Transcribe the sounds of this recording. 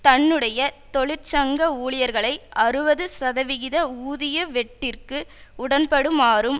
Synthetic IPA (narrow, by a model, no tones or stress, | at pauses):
t̪ɐɳːɯɽɐjɐt̪ɔɭɪɾt͡ʃɐŋɡɐuːɭɪjɐɾɣɐɭɐɪɐrɯʋɐðɯsɐðɐʋɪɣɪðɐuːðɪjɐʋɛʈːɪrkɯʊɽɐnpɐɽɯmaːrɯm